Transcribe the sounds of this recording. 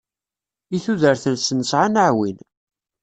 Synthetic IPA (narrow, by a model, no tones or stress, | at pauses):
iθuðəɾθənsnəsʕanəʕwḭn